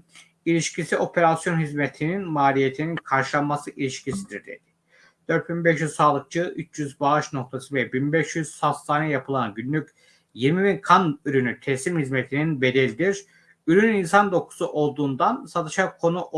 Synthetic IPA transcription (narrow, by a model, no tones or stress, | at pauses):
ilʲiʃcisiʔo̞pʰe̞ɾasjo̞nɦizmet̪ʰininmaːlʲijet̪ʰininkʰaɾʃɯlˠanmasɯʔilʲiʃcʰisid̪iɾd̪ḛd̪̥i̥ | d̪̥øɾt̪̚binbɛʃjyzsaːlˠɯk̚t͡ʃʰɯyt͡ʃʰjyzbaɯʃno̞k̚t̪ʰasɯvɛbinbɛʃjyz̥sast̪ʰaːnɛjapʰɯlˠanɟynlʲyc | jiɾmibinkʰanyɾynyt̪ʰɛslimhizmet̪ʰininbe̞d̪ɛlʲid̪iɾ̥ | yɾynyninsand̪o̞kʰu̥suʔo̞lˠd̪uːnd̪ansat̪ʰɯʃakʰo̞nuʔ